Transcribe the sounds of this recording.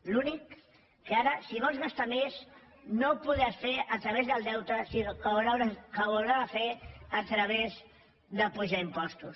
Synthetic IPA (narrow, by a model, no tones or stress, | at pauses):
lunikː | əaɾəsiβ̞ɔlˠzɣast̪amez | nopuðasfeʔət̪ɾəβ̞ezðəlˠd̪ɛwt̪əsinokəuɾawɾakəβulɾafeət̪ɾəβ̞ez | ðəpuʒaimpɔst̪us